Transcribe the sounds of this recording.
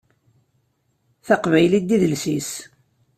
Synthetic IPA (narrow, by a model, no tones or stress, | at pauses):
θaqvæjlid̪ːiðəlsis